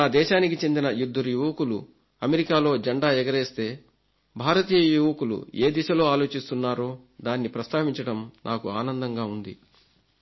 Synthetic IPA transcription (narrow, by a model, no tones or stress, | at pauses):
naːd̪ɛːʃaːnikit͡ʃe̞nd̪inɐjud̪ːɐɾujuʋɐkulu | ɐmeɾikaːlo̞ːd͡ʒɐɳɖaːɛɡɐɾeːst̪e̞ː | bʱaːɾɐt̪iːjɐjuʋɐkulṵe̞ːd̪iʃɐlo̞ːaːlo̞ːt͡ʃist̪unːaːɾo̞ːd̪aːnːipɾɐst̪ʰaːʋiɲt͡ʃɐɽɐmnʔaːkuaːnɐnd̪ɐŋɡaːund̪ḭ